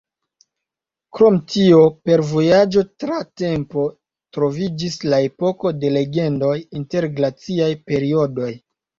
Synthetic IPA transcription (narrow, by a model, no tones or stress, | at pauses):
kɾo̞mtio̞pe̞ɾvo̞jad͡ʒo̞tɾate̞mpo̞ | tɾo̞vid͡ʒislae̞po̞ko̞de̞le̞ɡe̞ndo̞jinte̞ɾɡlat͡siajpe̞ɾio̞do̞j